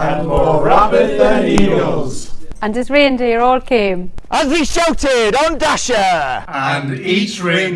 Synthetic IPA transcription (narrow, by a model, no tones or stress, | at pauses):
ə̃nɔɹabɪdðənilˠz̥ə̃ndɪzɹẽːndeəɹɔːlˠkʰẽːmʔəziʃawtɪdə̃ndaʃəə̃niˑt͡ʃɹẽn